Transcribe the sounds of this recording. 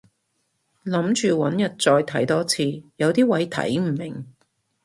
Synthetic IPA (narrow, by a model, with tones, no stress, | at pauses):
lɐ˨˥mt͡ʃyː˨wɐ˨˥njɐ˨t̚t͡sɔː˧jt̪ʰɐ˨˥jt̪ɔː˥t͡sʰiː˧jɐ˨˧wt̪iː˥wɐ˨˧˥jt̪ʰɐ̰˨˥jm̩˨˩mɪ˨˩ŋ